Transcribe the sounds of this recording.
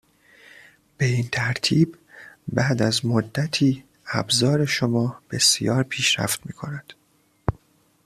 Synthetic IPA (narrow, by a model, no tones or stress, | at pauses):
b̥e̞int̪ʰæɾt̪ʰiːb | bæːd̪æzmod̪ːæt̪ʰiː | æ̰bzɒːɾe̞ʃomɒːb̥e̞sijɒːɾpʰiːʃɾæ̰ft̪mḭːkʰonæd̪̥